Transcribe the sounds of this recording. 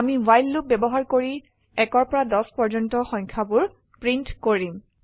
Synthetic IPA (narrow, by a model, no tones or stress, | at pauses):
amiwajlːup̚bɛbɔɦaɹkoɹi | ɛkɔɹpɔɹadɔspɔɹd͡ʒɔntɔxɔ̃jŋkʰabʊɹ | pɹintkoɹim